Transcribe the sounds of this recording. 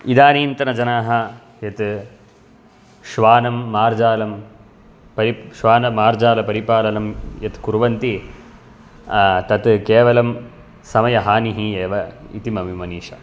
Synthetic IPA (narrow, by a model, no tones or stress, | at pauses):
id̪aːniːnt̪ɐnɐd͡ʒɐnaːɦɐ | jɐt̪ | ʃʋaːnɐmːaːɾd͡ʒaːlɐm | pɐɾiʃʋaːnɐmaːɾd͡ʒaːlɐpɐɾipaːlɐnɐmjɐt̪kuɾʋɐnt̪i | t̪ɐt̪keːʋɐlɐm | sɐmɐjɐɦaːniɦieːʋɐḭt̪imɐʋimɐniːʃɐ̰